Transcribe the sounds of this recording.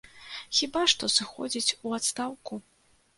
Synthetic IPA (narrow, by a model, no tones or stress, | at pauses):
xʲibaʂt̪ɔsɨxɔ̰d͡zʲit͡sʲuat̪st̪awku